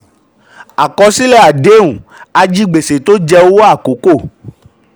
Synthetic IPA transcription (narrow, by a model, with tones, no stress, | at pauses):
a˨kɔ˧si˦lɛ˦˨a˨de˨˦ũ˨a˧d͡ʒi˦ɡ͡be˨se˨t̪o˦d͡ʒɛ˧wo˦wa˦˨ko˨˦ko˦˨